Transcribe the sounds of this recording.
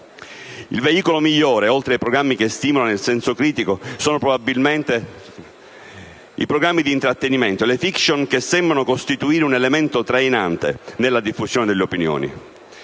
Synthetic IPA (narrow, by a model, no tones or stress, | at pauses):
ḭlveiːkolomiʎːoːɾeolt̪ɾeajpɾoɡɾamːikest̪iːmolaonelsɛnsokɾiːt̪ikosoːnopɾobabːilment̪e | ḭpɾoɡɾamːid̪iːnt̪ɾat̪ːeniment̪olefiksonkesːɛmbɾanokost̪it̪uiːɾeunelement̪ot̪ɾejnant̪ḛnelːad̪ifːuzjoːned̪elːeopinjo̰ːnḭ